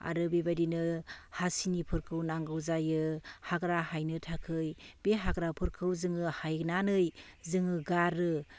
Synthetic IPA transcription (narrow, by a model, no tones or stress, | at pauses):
a̰ɾɯbebadinɯhasinipʰɯɾkʰɯwnaŋɡɯwzajɯhaɡɾahajnɯtʰakʰɯjbeɦaɡɾapʰɯɾkʰɯwzɯŋɯhajnanɯjzɯŋɯɡaɾɯ